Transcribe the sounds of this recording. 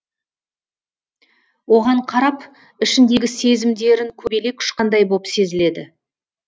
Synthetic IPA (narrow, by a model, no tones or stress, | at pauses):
wo̞ʁɑɴqʰɑɾɑp | ɪʃɪnd̪e̞ɡʲɪse̞zɪmd̪e̞ɾɪŋkʲʰɵbele̞kʲʰʏ̥ʃqɑnd̪ɑjbopse̞zɪle̞d̪ɪ